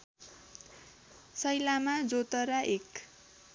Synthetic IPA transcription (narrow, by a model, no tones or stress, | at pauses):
sʌjlamad͡zot̪ʌɾaʔek